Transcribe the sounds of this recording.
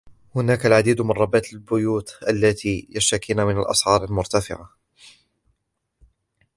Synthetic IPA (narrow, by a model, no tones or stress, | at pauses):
hʊnaːkalʕad̪iːd̪mɪnˤɑbaːt̪albʊjuːt̪ʔalːat̪ʰiːjaʃt̪akiːnamɪnalʔɑ̰sʕɑːɾˤalmʊɾt̪afɪ̰ʕa